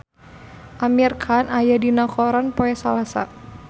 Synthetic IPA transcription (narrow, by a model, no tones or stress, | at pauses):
ʔamirkʰanajadinakɔɾanpoɛsalasa̰